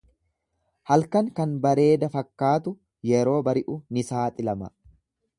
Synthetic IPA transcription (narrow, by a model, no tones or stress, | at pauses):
hɐlkɐŋkɐnbɐɾe̞ːd̪ɐfɐkːaːt̪ʊ | jɛɾo̞ːbɐɾɪʔʊnɪsaːt̪ʼɪlɐmɐ̰